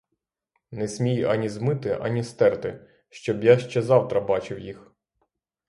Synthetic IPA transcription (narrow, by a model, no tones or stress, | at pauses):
nɛsʲmʲijɐnʲizmɪt̪ɪʔɐ̰nʲist̪ɛrt̪ɪ | ʃt͡ʃɔbjaʃt͡ʃɛzɑwt̪ɾɐbɑt͡ʃɪwjix